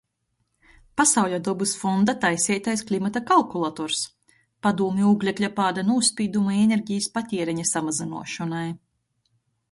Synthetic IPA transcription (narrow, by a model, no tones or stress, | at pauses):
pasawʎʲad̪ɔbɨsfɔnd̪at̪ajsʲɛjt̪ajsklʲˠimat̪akalˠkulˠat̪ɔɾs | pad̪uːmʲiuːɡlʲeklʲapaːd̪anuːspʲiːd̪umaenʲeɾɟijspat̪ʲɛɛɾɛɲasamazinṵɔʃɔnaj